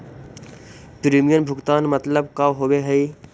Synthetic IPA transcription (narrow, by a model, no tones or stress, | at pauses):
pɾiːmijənbʱʊɡt̪aːnmət̪ləbkaɦoweɦəi